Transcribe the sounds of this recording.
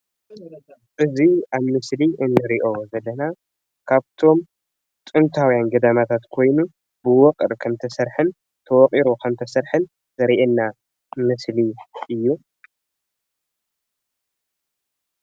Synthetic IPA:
ʔɨziaβmɨsliʔɨnːɨɾiʔo̞zɐlːɐna | kʰaβt̪ʰo̞m | t̪ʼɨnt̪ʰawijanɡɐd̪amat̪ʰat̪kʰo̞jnu | bɨwɔqʼɨɾkʰɐmt̪ʰɐsɐɾħɨn | t̪ʰɐwɔqʼiɾukʰɐmt̪ʰɐsɐɾħɨn | zɐɾiʔɛnːa | mɨsliʔɨjːu

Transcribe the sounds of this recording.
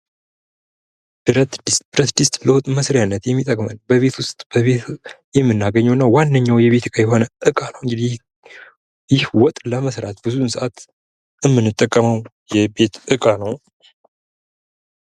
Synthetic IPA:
d̥ɨɾət̪dbɨɾət̪d̪ist̪ʼbləwɔt̪ʼməsɾijanːət̪jɛmːit̪ʼəkʼmənbəβe̞t̪wʊst̪ʼb̥əβe | jɛmːɨnːaɡəɲːɛwɨnːawanːəɲːawjɛβe̞t̪ʰɨkʼajɛɦo̞nəʔɨkʼanəwɨŋɡɨd̪i | jɪhwɔt̪ʼləməsɾat̪bɨzunsɨʔat̪ | ɨmːɨnːɨt̪ʼːəkʼːəməw | jɛbe̞t̪ʔɨkʼanəw

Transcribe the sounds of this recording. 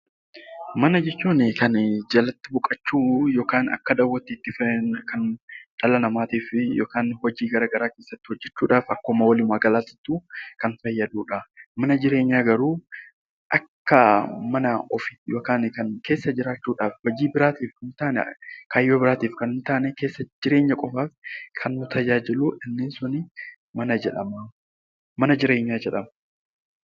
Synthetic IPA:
mɐnɐd͡ʒɛt͡ʃːuːnɪkɐnd͡ʒɐlɐt̪ːɪbʊkʼɐt͡ʃːuːjo̞ːkaːnɐ̰kːɐd̪ɐwːɔt̪ːɪːt̪ːɪfɛkɐnᶑɐlɐnɐmaːt̪iːfɪjoːkaːnhɔd͡ʒiːɡɐɾaːɡɐɾaːke̞ːsːɐt̪ːɪ̥hɔd͡ʒːɛt͡ʃːuːᶑaːfɐkːoːmɐwɐlɪmaːɡɐlaːsɪ̥t̪ːuːkɐnfɐjːɐd̪uːᶑɐmɐnɐd͡ʒɪɾe̞ːɲːaːɡɐɾuː | ʔɐkːɐmɐnɐɔfɪt̪jokaːnɪkɐnke̞ːsːɐd͡ʒɪɾaːt͡ʃːuːᶑaːfhɔd͡ʒiːbɪɾaːt̪iːfkɐɪnt̪aːn̰kʰaːjːo̞ːbɪɾaːt̪iːfkɐnɪnt̪aːnɛke̞ːsːɐd͡ʒɪɾe̞ːɲːɐkʼɔfaːfkʰɐnːʊt̪ʰɐd͡ʒaːd͡ʒɪluːʔɪnːɪnsʊnɪ | mɐnɐd͡ʒɛᶑɐma | mɐnɐd͡ʒɪɾe̞ːɲːaːd͡ʒɛᶑɐmɐ

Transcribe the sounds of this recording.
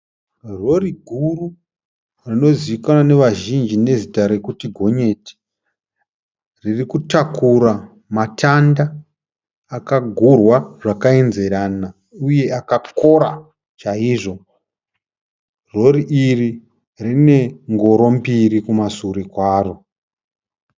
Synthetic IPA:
ro̞riɡʱuru | rino̞ziʋikanane̞ʋaʒind͡ʒine̞zitaɾe̞kutiɡʱo̞ɲe̞ti̥ | ririkutakuɾa | matʰandaː | kaɡʱurwaʐ̥akae̞nze̞ɾana | uje̞akako̞ɾa | t͡ʃaiʐo̞ | ro̞riʔiri | rine̞ŋɡo̞ɾo̞mbiɾikumasuɾekwaːro̞

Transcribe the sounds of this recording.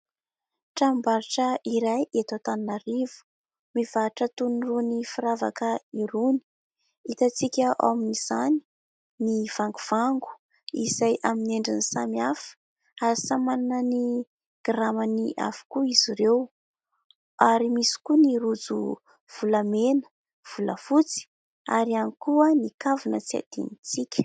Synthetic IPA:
ʈ͡ʂambaɾʈ͡ʂəiɾajet̪at̪annaɾivu̥ | miv̥aʈ͡ʂət̪unirunifiɾava̰kəiɾuni̥ | it̪at͡sikʲəʔa̰wminiz̥ani̥ | niv̥aŋɡuv̥aŋɡu̥ | ḭzajʔamineɳɖ͡ʐinisamiafə̥ | aɾisamannəni | ɡ̥ramaniʔa̰vu̥kuiziɾew | aɾimisi̥kuniɾud͡zṵ | v̥ulamenə̥ | v̥ulə̰fut͡si̥ | aɾianikuənikavunət͡sia̰d̪̥ḭnit͡sikʲə̥

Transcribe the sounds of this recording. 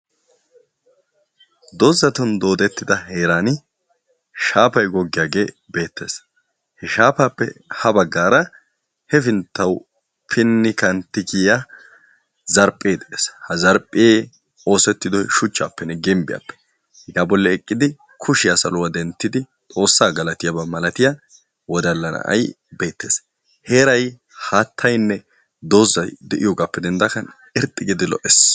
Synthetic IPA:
d̪ɔzːɐt̪ʊnd̪o̞ːd̪ɛt̪ːɪd̪ɐɦeːɾaːnɪ | ʃaːpɐjɡɔɡːɪjaːɡe̞ː | be̞ːt̪ːḛːs | hɛʃaːpaːpːɛ̰hɐbɐɡːaːɾɐ | hɛfɪnt̪ːɐw | pʰɪnːɪkɐnt̪ɪkija | zɐɾpʼːeːd̪ɛʔeshɐzɐɾpʼɪjeː | o̞ːsɛt̪ːɪd̪ɔjʃʊt͡ʃːaːpːɛnːɛɡɛmbɪja̰pːɛ̥ | hɪɡaːbɔlːɛɛkʼːɪd̪ɪ | kʰʊʃɪjasɐ̰lʊwɐd̪ɛnt̪ːɪd̪ɪ | tʼo̞ːsːaːɡɐlɐt̪ɪjabɐmɐlɐt̪ɪja | wɔd̪ɐlːɐnɐ̰ʔɐ̰j | beːt̪ːḛːs | heːɾɐj | haːt̪ʰːɐjnːɛ | d̪o̞ːzɐjd̪ɛʔɪjoːɡapːɛd̪ɛnd̪ɐkɐn | ɛɾt̪ʼːɪɡɪd̪ɪlɔ̰ʔɛs

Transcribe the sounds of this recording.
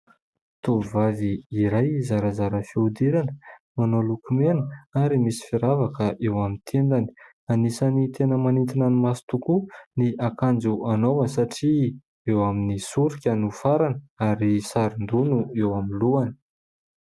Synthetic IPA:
t̪ovaviːɾajzaɾazaɾəfiud̪iɾanəmanolukumenəaɾimisi̥fiɾavakəʔewamint̪ʰend̪ani̥ | anisanit̪ʰenəmanint̪inanimasi̥t̪ukuniʔakand͡zuanovənsaʈ͡ʂi | ewaminisuɾikʲənufaɾanəaɾisaɾind̪unuewaminluanə̥

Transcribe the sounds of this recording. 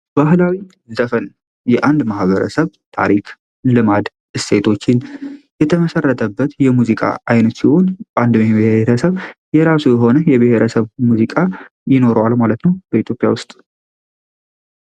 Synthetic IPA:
b̥aɦlawi | zəfən | jɛʔand̪mahβəɾə̰səβt̪ʰa̰ɾikʰ | lɨmad̪ | ɨse̞t̪ʰo̞t͡ʃːɪnjɛt̪ʰəməsərːət̪ʰəbːət̪jɛmuzikʼa̰ajnət̪siho̞nband̪mheɾəsəβjɛɾasujɛɦo̞nəjɛbəheɾəsəβmuzikʼa | jɪno̞ɾəwalmalət̪nəwb̥əit̪jo̞pʼja̰wʊst̪ʼ

